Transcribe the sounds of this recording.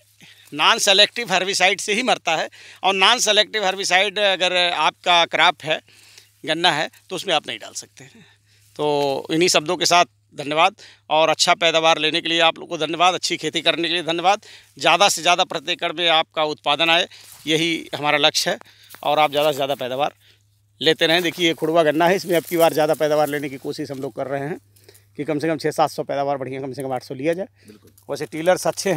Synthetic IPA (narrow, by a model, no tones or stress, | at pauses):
naːnseleːk̚ʈɪʋɦɐɾʋisaːɪɖseɦimɐɾt̪aɦɛːɔːɾnaːnseleːk̚ʈɪʋɦɐɾʋisaːɪɖɐɡəɾaːp̚kakɾaːpʰɦɛ | ɡɐnːaɦɛt̪oʊsmẽaːpnɐɦĩɖa̰ːlsɐk̚t̪eɦɛ̃ | t̪oːɪ̰nɦisɐb̚d̪õkesaːt̪̚ʰ | d̪ʱɐnjəʋaːd̪̚ | ɔːɾɐtːʃʰapɛːd̪aːʋaːɾleːnekelieaːplo̰ːɡkod̪ʱɐnjəʋaːd̪ɐtːʃʰikʰeːt̪ikɐɾnekelied̪ʱɐnjəʋaːd̪̚ | zjaːd̪asezjaːd̪apɾət̪eːkəɽmẽaːp̚kaʊt̪̚paːd̪ənaːe | jɐɦiɦɐmaːɾalɐkʃɦɛː | ɔ̰ːɾaːp̚zjaːd̪asezjaːd̪apɛːd̪aːʋaːɾ | leːt̪eɾɐɦẽd̪eːkʰiekʰʊɽʋaɡɐnːaɦɛɪsmẽɐb̚kibaːɾzjaːd̪apɛːd̪aːʋaːɾleːnekikoːʃɪʃɦɐmloːɡ̚kɐɾːɐɦeɦɛ̃ː | kikɐmsekɐ̃mt͡ʃʰɛːsaːt̪ʰsɔpɛːd̪aːʋaːɾbɐɽ̤ijãkɐmsekɐ̃maːʈʰsɔliad͡ʒaːe | ʋɛːseʈiːləɾsɐt̪ːʃʰeɦ